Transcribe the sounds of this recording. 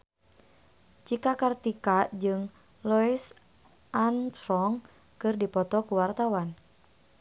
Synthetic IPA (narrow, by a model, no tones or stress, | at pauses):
t͡ʃikakart̪ikad͡ʒɨŋ | lɔis | ʔantɾɔŋ | kɨrdipɔt̪ɔkuwart̪awan